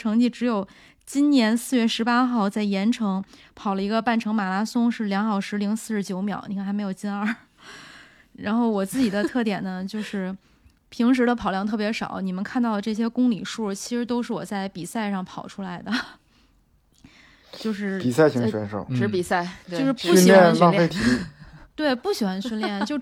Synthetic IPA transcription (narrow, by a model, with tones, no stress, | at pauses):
ʈ͡ʂʰɤ˧˥ŋt͡ɕi˥˩ʈ͡ʂɻ̩˧˥jo˨˩ʊ | t͡ɕi˥nnjɛ˧˥nsɹ̩˥˧ɥɛ˥˩ʂɻ̩˧˥pa˥xɑ˥˧ʊt͡sa˥˩ɪjɛ˧˥nʈ͡ʂʰɤ˧˥ŋpʰɑ˨˩ʊlə˦i˧˥ɡə˧pa˥˩nʈ͡ʂʰɤ˧˥ŋma˨˩la˥sʊ˥ŋʂɻ̩˥˩ljɑ˧˥ŋxɑ˥˩ʊʂɻ̩˧˥li˧˥ŋsɹ̩˥˧ʂɻ̩˥˩t͡ɕjo˧˥ʊmjɑ̰˨˩˦ʊni˨˩kʰa˥˩nxa˥me˧˥ɪjo˨˩ʊt͡ɕi˥nə˞˥˧˩ | ɻa˧˥nxo˥˩ʊwɔ˨˩t͡sɹ̩˥˩t͡ɕi˨˩d̪ə˦t̪ʰɤ˥˩t̪jɛ˨˩nə˦t͡ɕjo˥˧ʊʂɻ̩˥˩ | pʰi˧˥ŋʂ̬ɻ̩˧˥ɾə˧pʰɑ˨˩ʊljɑ˥˧ŋt̪ʰɤ˥˩pjɛ˧˥ʂɑ̰˨˩˦ʊni˨˩mə˦nkʰa˥˧nt̪ɑ˥˩ʊlə˩ʈ͡ʂɤ˥˩ɕ̬jɛ˥kʊ˥ŋli˨˩ʂu˥˩t͡ɕʰi̥˧˥ʂɻ̩˧˥t̪o˥ʊʂɻ̩˥˩wɔ̰˨˩t͡sa˥˩ɪpi˨˩sa˥˧ɪʂɑ˥˩ŋpʰɑ˨˩ʊʈ͡ʂʰu˥la˧˥ɪd̪ə˧ | t͡ɕjo˥˧ʊʂɻ̩˥˧pi˨˩sa˥˩ɪɕi˧˥ɕɥɛ˧˥nʂo̰˥˩ʊʈ͡ʂɻ̩˧˥pi˨˩sa˥˩ɪt͡ɕo˥˧ʊʂɻ̩˥˧pu˥˩˥n˨ljɛ˥nla˥˧fe˥˩t̪ʰi˨˥˩t̪we˥˩ɪpu˥˩ɕi˨˩xwa˥nwi˥nljɛ˥˩nt͡ɕo˥˧ʊ